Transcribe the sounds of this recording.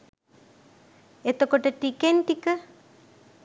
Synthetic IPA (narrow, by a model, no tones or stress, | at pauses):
et̪okoʈəʈikenʈikə